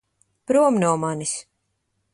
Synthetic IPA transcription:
pɾuɔmnuɔmanis

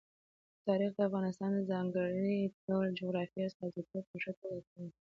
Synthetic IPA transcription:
t̪ɑɾixd̪əafɣɑnɪst̪ɑnd̪əzɑŋɡəɽiod͡ʒoɣɾɑfiast̪ɑd̪it̪opəʒakəlakəwi

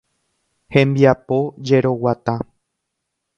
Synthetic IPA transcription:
hẽ̞mbiapo̞d͡ʒe̞ɾo̞wat̪ã

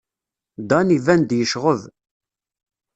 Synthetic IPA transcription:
d̪ɑnivænd̪jəʃʁəð

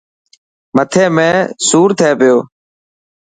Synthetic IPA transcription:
mət̪ʰeːmẽːsuːɾt̪ʰeːpɪjoː

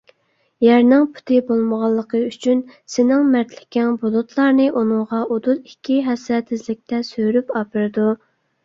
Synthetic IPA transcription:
jæɾnɪŋpʰu̥t̪ʰɨbolˠməʁɑlˠːəqʰəyt͡ʃʰynsɪnɪŋmæɾt̪ʰlɪ̥kʲɛnbud̪ut̪ʰlˠɑɾnɨʔunɨŋʁɑʔod̪ut̪i̥kʲʰːiɦɛsɛt̪ʰɪzlɪk̚ʲt̪ʰɛsøjɾypɑpʰɨɾd̪u

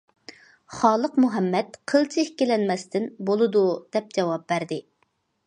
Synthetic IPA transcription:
χɑːlˠəqmuɦɛmːɛt̪qʰəlˠt͡ʃʰɪhkʲːɪlɛnmɛst̪ʰɪnbolˠɨd̪ud̪̥ɛp̚d͡ʒɛwɑp̚bæɾd̪ɪ

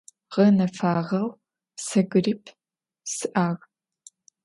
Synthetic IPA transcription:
ʁɐnɐfaːʁɐw | sɐɡɨriːpʰ | sɨʔaːʁ

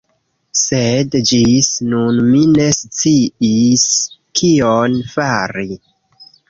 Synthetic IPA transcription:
sedd͡ʒisnunmine̞st͡siiskʰionfaɾi

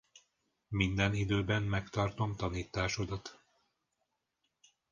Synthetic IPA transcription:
mind̪ɛnid̪øːbɛmmɛkt̪ɒrt̪o̞mt̪ɒniːt̪aːʃo̞d̪ɒt̪

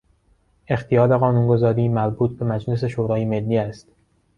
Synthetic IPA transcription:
ʔe̞xt̪ʰijɒːleɣɒːnuːnɡo̞zɒːɾiːmæɾbuːt̪̚ʰbe̞mæd͡ʒle̞s̬e̞ʃoːɾɒːjeme̞lːiːæst̪

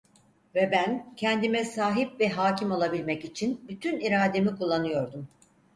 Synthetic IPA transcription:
vɛbæncʰɛnd̪imɛsaːɦip̚vɛɦaːcimolˠabilʲmɛcit͡ʃʰinbyt̪ʰyniɾaːd̪e̞mikulˠːanɯjo̞ɾd̪um

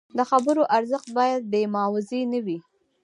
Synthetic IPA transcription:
d̪əxabəɾoʔaɾzəxt̪̚bɑjad̪̚ːemɑwɪzenəwi

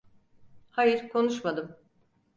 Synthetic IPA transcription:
hajɯɾkʰo̞nuʃmad̪ɯm

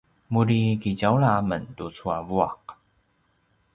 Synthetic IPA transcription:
muɾikid͡ʑawlaməntut͡sʰuavuaq

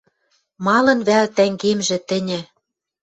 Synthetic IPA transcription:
mɑlɤ̆nβælt̪æŋɡemʒɘ̆t̪ɘ̆nʲɘ̆

